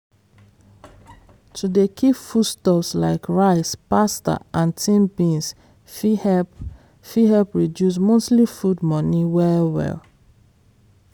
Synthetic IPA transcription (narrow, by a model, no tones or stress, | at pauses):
tʰudekʰifudstɔpsla̰ɪkɹaɪspasta̰ʔãntʰĩnbĩns | fihɛp | fiɦɛlpɹidjus̬mostlifudmɔniwɛwɛ̰l